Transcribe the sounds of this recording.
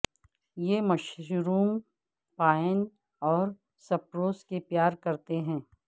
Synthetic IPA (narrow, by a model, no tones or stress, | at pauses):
jeːmɐʃɾuːm | paːən | ɔːɾ | sɐpɾoːskepjaːɾkɐɾt̪eɦɛ̃ː